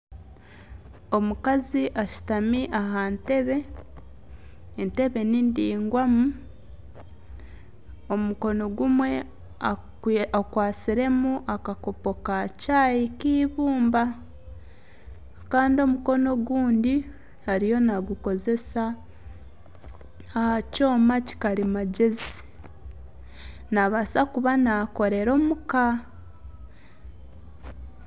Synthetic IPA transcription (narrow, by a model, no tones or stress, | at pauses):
o̞mukaziʔaʃu̥tamiʔaɦante̞βe̞ | nte̞βe̞nindiːŋɡwamu | o̞muko̞no̞ɡumwe̞ | a | akwaːt͡siɾe̞muʔakako̞po̞kacaːjikiːβuːmba | kaːndio̞muko̞no̞ɡuːndi | haɾijo̞naɡuko̞ze̞sa | ahaco̞ːmaci̥kaɾimaɟezi | naβasakuβanako̞ɾe̞ɾo̞muka